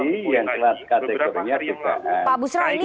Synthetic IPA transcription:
ijaŋkəlat̪̚kat̪ɛkɔrɲak̪it̪a̰ʔapabusɾaini

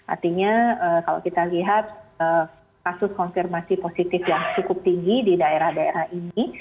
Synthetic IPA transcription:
ʔa̰rt̪iɲaəkala̰wkit̪aliɦat̪̚ə | kasʊskɔnfirmasiposit̪ɪfjaŋt͡ʃukʊp̚t̪iŋɡididaeɾahdaḛɾahini

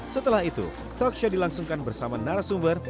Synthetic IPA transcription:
sət̪əlahit̪ṵ | t̪ɔkʃodilaŋsuŋkanbərsamanaɾasumbər

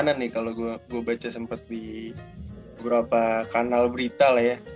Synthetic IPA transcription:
nanːɪkaloɡuaɡuabat͡ʃasəmpət̪̚di | bəbəɾapakanalbəɾit̪alahja

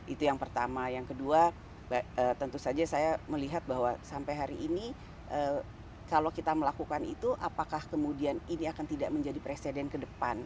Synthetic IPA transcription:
ʔit̪ujaŋpərt̪amajaŋkədua | baəːt̪ənt̪usad͡ʒasajaməliɦat̪̚baɦwasampajɦaɾiʔːni | ʔə | kalokit̪aməlakukanḭt̪uʔapakahkəmudianiniakant̪idaʔ̚məɲd͡ʒadipɾesedɛnkədəpan

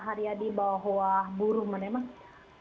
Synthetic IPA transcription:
ɦaɾiadibawaɦowahbuɾʊhmanɛmaŋ

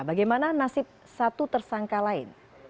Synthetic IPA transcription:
baɡajmananasɪp̚ | sat̪ut̪ərsaŋkalaɪ̰n

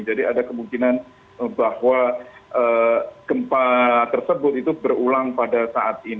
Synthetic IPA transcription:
d͡ʒadiadakəmuŋkinan | əbahwaʔəkəmpat̪ərsəbʊt̪̚it̪ubərulaŋpadasaʔat̪̚in

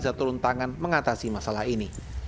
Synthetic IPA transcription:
zat̪uɾʊnt̪aŋanməŋat̪asimasalahini

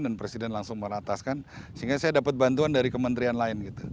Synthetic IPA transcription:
ndanpɾesidɛnlaŋsʊŋməɾat̪askansəiŋɡasajadapat̪̚bant̪uandaɾikəmənt̪ɾianlaɪnɡit̪u

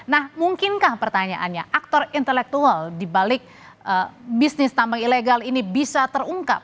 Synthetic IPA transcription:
nahmuŋkɪnkahpərt̪aɲaʔanɲaʔak̚t̪ɔrint̪ɛlɛk̚t̪ualdibalɪk̚ | ʔəbisnɪst̪ambaŋileɡalinibisat̪əruŋka̰p̚

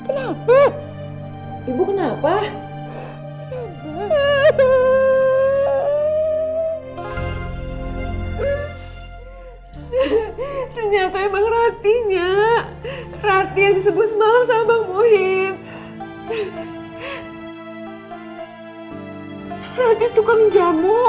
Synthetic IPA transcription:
kənapa | ibukənapa | t̪ərɲat̪aemaŋrat̪iɲa | rat̪ijaŋdisəbʊt̪̚səmalamsamamuɦɪt̪ | rat̪it̪ukaməɲd͡ʒamʊ

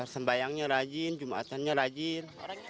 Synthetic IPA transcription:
səmbajaŋɲaɾad͡ʒind͡ʒumaa̰t̪anɲaɾad͡ʒino

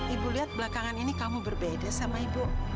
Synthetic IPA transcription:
ibuliɦat̪̚bəlakaŋaninikamubərbedasamaibu

